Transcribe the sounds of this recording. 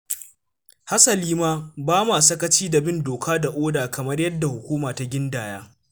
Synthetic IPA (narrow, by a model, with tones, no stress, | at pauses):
ha˦sɐ˨liː˦maː˦baː˦maː˨sɐ˦kɐ˦t͡ʃiː˦dɐ˨bɪ˦ndoː˨kʰaː˦da˨ʔoː˦daː˨kʰɐ˨mɐ˦rjɐ˦dːa˨hʊ˨kʷuː˦maː˨ta˦ɡʲɪ˦ndaː˨jaː˦